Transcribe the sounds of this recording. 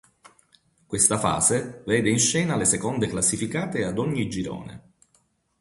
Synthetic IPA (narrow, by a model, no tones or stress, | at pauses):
kwest̪afa̰ːzevɛːd̪einʃɛːnalesekɔnd̪eklasːifikaːt̪ead̪ɔɲːid͡ʒiɾo̰ːnḛ